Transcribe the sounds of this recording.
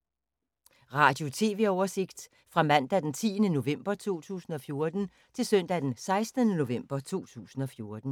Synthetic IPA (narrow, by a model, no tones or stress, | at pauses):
ʁɑ̈ːd̥jo̝t͡sʰe̝̰ːʋe̝ɒʊɐse̝ɡ̥d̥ | fʁɑ̈mæn̰d̥æd̥ent͡sʰḭːənəno̝ʋem̰b̥ɐt͡sʰo̝̰ːt͡sʰṵːsn̩ɒ̽fjo̝ɐd̥n̩ | t͡sʰe̝lsœn̰d̥æd̥ensɑ̈ɪsd̥ənəno̝ʋem̰b̥ɐt͡sʰo̝̰ːt͡sʰṵːsn̩ɒ̽fjo̝ɐd̥n̩